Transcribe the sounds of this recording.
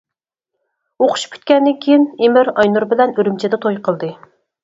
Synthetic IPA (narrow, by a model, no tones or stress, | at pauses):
oqʰʊ̥ʃpʲʰy̥t̪̚kʲɛnːɪŋkʲʰejinemɪɾɑjnuɾbɪlɛnyɾymt͡ʃʰɪd̪ɛt̪ʰojqʰəlˠd̪ɨ